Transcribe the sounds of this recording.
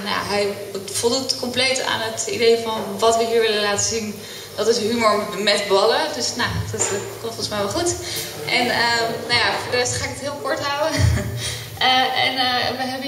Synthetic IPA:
na̰ɦɛj | fɔlˠdutkɔmplejta̰ːnətidejfɑnʋɑtʋəɦiːɹʋɪləlaːtəzin | d̥ɑtɪsɦymoɹmɛtbɑlədøsnodkɔmtfɔnəsmɛjʋɛlˠχut | ʔɛnənajafoːɹdəɛstχaːɪkətɦɪːlˠkɔɹtɦawə | ɛ̰nʋəɦɛbə

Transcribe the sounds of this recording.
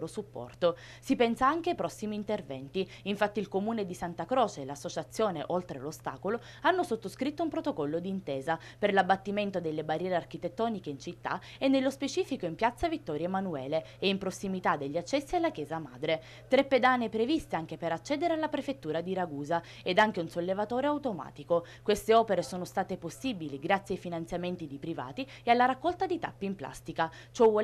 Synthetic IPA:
ɾosupːɔ̰rt̪o | sipɛnsaaŋk̟eajpɾɔsːimiːnt̪ervɛ̰nt̪i | iɱfat̪ːiilkomuːned̪isant̪akɾɔːt͡ʃelasːot͡ʃat̪sːjoːnḛʔolt̪ɾḛlost̪a̰ːkolo | anːosot̪ːoskɾit̪ːoumpɾot̪okɔlːod̪iːnt̪eːza | perlabːat̪ːiment̪od̪elːebarjɛːɾeark̟it̪et̪ːɔːnikeint͡ʃit̪ːa̰ | enːelːospet͡ʃiːfikoimpjat̪sːavit̪ːɔːɾjaemanuɛːleeimpɾosːimit̪ad̪ːeʎːiat͡ʃːɛsːialːakjɛːzama̰ːd̪ɾe | t̪ɾepːed̪anːepɾevist̪eaŋk̟epeɾat͡ʃːɛːd̪eɾealːapɾefet̪ːuːɾad̪iɾaɡuːza | ed̪aŋk̟eunsolːevat̪oːɾeawt̪oma̰ːt̪iko | kwest̪eɔːpeɾesoːnost̪aːt̪eposːibiliɡɾat̪sjajfinant̪sjament̪id̪ipɾiva̰ːt̪i | ealːaɾakːɔlt̪ad̪it̪a̰pːiimpla̰st̪ika | t͡ʃɔ

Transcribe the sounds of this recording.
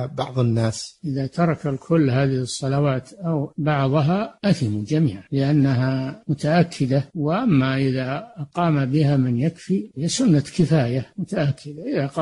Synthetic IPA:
bɑʕðˤɨnːaːsʔɪðat̪ɑɾˤɑkalkʰʊlːɦaːðɪhɨsˤːɑlawaːt̪ʔawbɑʕðˤɑɦaʔaθɪmud͡ʒamḭːʕalɪʔanːaɦamʊt̪aʔakʰːɪd̪awɪʔamːaʔɪðaʔqɑːmabɪhamɪnjakfiɪjːasʊnːakɪfaːjamʊt̪aʔakʰːɪd̪aʔɪðaqɑ

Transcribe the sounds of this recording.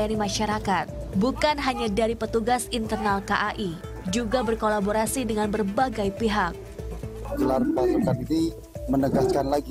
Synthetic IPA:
animaʃaɾakat̪̚bukanɦaɲadaɾipət̪uɡasint̪ərnalkaʔaʔi | d͡ʒuɡabərkolaboɾasidəŋanbərbaɡajpiɦak̚ | d͡ʒəlarpasukanini | mənəɡaskanlaɡi

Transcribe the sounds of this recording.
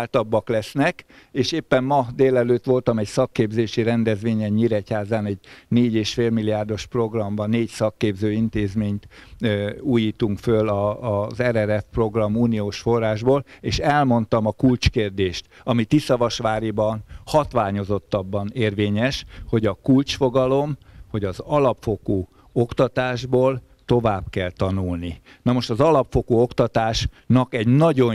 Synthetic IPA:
lt̪ɒbːɒklɛsnɛkeːʃeːpːɛmmɒd̪eːlɛløːt̪ʋo̞lt̪ɒmɛcsɒkːeːbzeːʃiɾɛnd̪ɛzʋeːɲɛɲːiɾɛchaːzaːnɛɟneːɟeːʃfeːlmiliaːrd̪o̞ʃpro̞ɡrɒmbɒneːcsɒkːeːbzøːint̪eːzmeːɲt̪ | uːjiːt̪uŋkfølɒzɛɾɛɾɛfpro̞ɡrɒmuːnioːʃfo̞rːaːʒboːleːʃɛlmo̞n̪t̪ɒmɒkult͡ʃkeːrd̪eːʃt̪ɒmit̪isɒvɒʃʋaːɾibɒnhɒt̪ʋaːɲo̞zo̞t̪ːɒbːɒneːrveːɲɛʃho̞ɟɒkult͡ʃfo̞ɡɒlo̞mho̞ɟɒzɒlɒpfo̞kuː | o̞kt̪ɒt̪aːʒboːl | t̪o̞vaːbkɛlt̪ɒnulni | nɒmo̞ʃt̪ɒzɒlɒpfo̞kuːo̞kt̪ɒt̪aːʃ | nɒkɛɟnɒɟo̞

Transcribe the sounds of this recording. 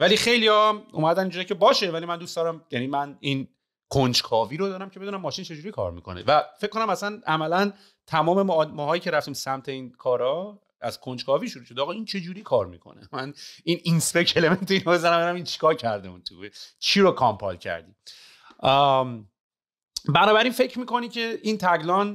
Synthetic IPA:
vælixe̞jlijɒṵmæd̪ænind͡ʒuɾicʰe̞bɒːʃe̞vælimænd̪uːst̪d̪ɒːɾæmjænimænin | kʰond͡ʒkʰɒːviːɾod̪ɒːɾæmcʰee̞d̪unæmːɒːʃint͡ʃʰe̞d͡ʒuːɾikʰɒ̰ːɾmḭkʰo̞̰nḛvæfecʰkːo̞næmæsænæmælæn | t̪ʰæmɒːme̞mmɒːɦɒːjiːcʰe̞ɾæft̪iːmsæmt̪ʰe̞iːnkʰɒːɾɒ | æz̥kʰond͡ʒkʰɒːviːʃuɾuːʃo̞d̪ɛɒːɣɒint͡ʃʰe̞d͡ʒuːɾiːkʰɒːɾmḭkʰo̰nemænininspeceleme̞nt̪eiːnobe̞zænæmbenæmint͡ʃʰi̥kʰɒːɾcʰæɾd̪emunt̪ʰut͡ʃʰiɾokʰɒmpʰɒ̰lcʰæ̰ɾd̪ḭ | bænɒːbæɾiːnfe̞cʰɾmiːko̞nicʰe̞int̪ʰæɡlɒn

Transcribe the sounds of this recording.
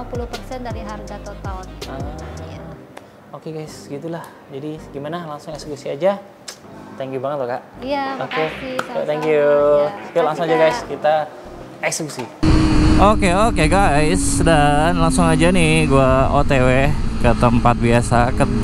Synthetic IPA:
apuluhpərsɛndaɾiɦarɡat̪ɔnt̪aɔnəa | okeɡajsɡit̪ulah | d͡ʒadiɡimanalaŋsʊŋeksekusiad͡ʒa | t̪ɛŋkjubaŋət̪̚loɡaʔjaakut̪ɛŋkjukulaŋsʊŋad͡ʒaɡajskit̪a | ɛksekusi | okeokeɡajsdanlaŋsʊŋad͡ʒanɪhɡuaot̪ewekət̪əmpat̪̚biasakə

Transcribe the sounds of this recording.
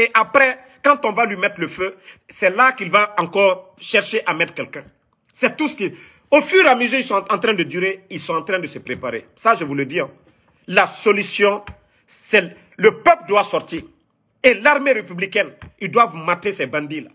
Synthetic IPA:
eʔapɾɛ | kãt̪ɔ̃valɥimɛt̪ɾləføsɛlakilvaɑ̃kɔːʁ | ʃɛʁʃeʔamɛt̪kɛlkɛ̃ | sɛt̪uski | ofyʁamezyɾilsɔ̃ɑ̃t̪ɾɛ̃d̪əd̪yɾeilsɔ̃ɑ̃t̪ɾɛ̃d̪əsəpɾepaɾḛsaʒəvuləd̪iɛ̃ | lasolysjɔ̃ | sɛ | ləpøpldwasɔʁt̪iːʁ | elaʁmeɾepyblikɛnildwavmat̪esɛbãnd̪ila

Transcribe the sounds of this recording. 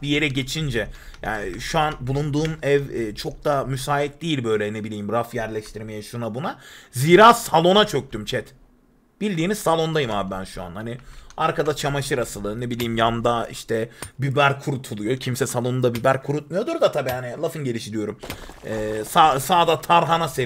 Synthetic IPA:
bije̞ɾɛɟe̞t͡ʃʰind͡ʒɛja̰ːnʃuanbulˠund̪uːmɛvːt͡ʃʰo̞k̚d̪amysaːit̪̚d̪ejilʲbø̞jlʲɛnebilʲiːimɾafjæɾlʲɛʃt̪ʰiɾme̞jɛʃunabunaziːɾaːsalˠo̞nat͡ʃʰøk̚t̪ymt͡ʃʰɛt̪ | b̥ilʲd̪iːnizsalˠo̞nd̪ajɯmaːbibænʃua̰nhaniaɾkad̪at͡ʃʰamaʃɯɾasɯlˠɯnebilʲiːmjand̪aḭʃt̪ʰɛbybæɾkʰuɾut̪ʰulˠujo̞cʰimsɛsalˠo̞nud̪abybæɾkʰuɾut̪̚mujo̞d̪uɾd̪at̪ʰabiːhanɪlˠafɯnɟe̞lʲiʃid̪ijo̞ɾumɛːsasaːd̪at̪ʰaɾɦanase

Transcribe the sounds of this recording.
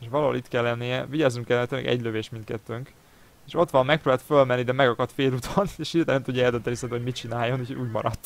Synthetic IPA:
eʃʋɒlɑɦolʔit̪kɛlːɛnːijɛviɟaːznuŋkɛlːɛmɛt̪ømɛ̰ɡɛ̰ɟløveːʃmint̪kɛt̪ːøŋk | eːʃo̞t̪ʋɒmːɛkproːbaːt̪følmɛnːid̪ɛmɛɡɒkɒt̪feːlut̪ʰoneːʃilt̪anɛmt̪uɟːɑɛld̪øt̪ɛnisɛnt̪ːhoɟmit͡ʃinaːjo̞nhucʰouːɟmɒ̰ɾɒt̪ː

